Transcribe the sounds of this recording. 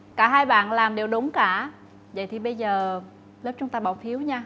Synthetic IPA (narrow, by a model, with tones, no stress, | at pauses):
kaː˧˩ɦaː˧jɓa̰ː˧˨nlaː˨˩mɗe˨˩wɗʊ˨˦ŋ͡mkaː˧˩ | və̰˧˨jt̪ʰi˨˩ɓə˧jzəː˨˩ | ləː˦˥p̚t͡ɕʊ˨˦ŋ͡mt̪aː˧ɓaː˧˩wfʰi˨˦əwɲaː˧